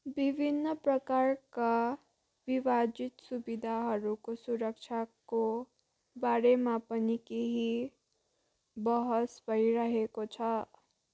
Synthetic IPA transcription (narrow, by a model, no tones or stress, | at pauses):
bibʱinːʌprʌkarka | bibad͡zit̪subid̪ʱaɦʌɾukosuɾʌk̚t͡ʃʰako | baɾemapʌnikeɦi | bʌɦʌsbʱʌiɾʌɦekot͡sʰʌ